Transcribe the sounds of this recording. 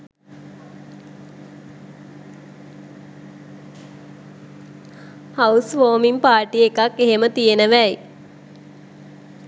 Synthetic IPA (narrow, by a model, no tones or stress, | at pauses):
hausʋoːmimpaːʈiekakːeɦemət̪ijenəʋæj